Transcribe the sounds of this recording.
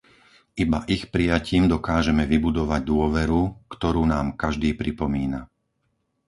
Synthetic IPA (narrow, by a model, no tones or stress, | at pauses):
ʔibaʔixpɾijaciːmd̪ɔkaːʒɛmɛʋibud̪ɔʋaɟ̚d̪ʊɔʋɛɾukt̪ɔɾuːnaːmkaʒd̪iːpɾipɔmiːna